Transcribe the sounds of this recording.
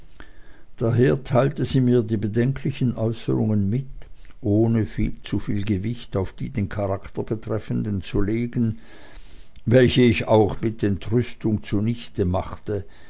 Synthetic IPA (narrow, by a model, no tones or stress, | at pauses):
d̥aɦeːɐtʰaɪltəziːmiːɐdiːbədɛŋkʰlɪçənʔɔʏsəʁʊ̰ŋənmɪtʔoːnəfḭːlt͡sufiːlɡəvɪçtaʊfd̥iːdeːnkʰaʁaktɐbətʁ̥ɛfən̩dənt͡suleːɡən̩ | vɛlçəɪçaʊxmɪt̚d̥ɛntʁʏstʊŋt͡suːɐnɪçtəmaχtə